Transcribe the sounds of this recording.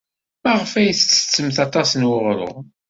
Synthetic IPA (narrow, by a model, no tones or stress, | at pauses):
mæʁəfæjəθt͡sːə̥t͡sːəmθɑt̪ˤɑsnwʊʁɾʊ̰ʁ